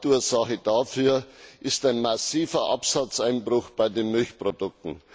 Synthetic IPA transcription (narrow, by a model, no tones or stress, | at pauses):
tuːɐzaxəd̥afyːɐʔɪstaɪnmasiːfɐʔapsat͡saɪnbʁʊxb̥aɪdeːnmʏlçpʁodʊk̚tn̩